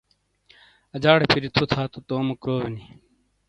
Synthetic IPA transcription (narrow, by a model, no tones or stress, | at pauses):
ɐd͡ʑaːɽepʰiɾit̪ʰut̪ʰaːt̪ut̪oːmɐkɾoːʋeni